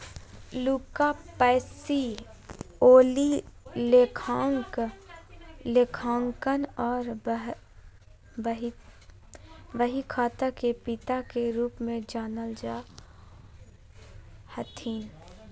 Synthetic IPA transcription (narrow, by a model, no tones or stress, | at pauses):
luːkapɛːsi | oːlilekʰaːŋk | lekʰãːŋkənɔːɾ | ʋəɦikʰaːt̪akepɪt̪akeɾuːpmẽd͡ʒaːnəld͡ʒa | hət̪ʰiːn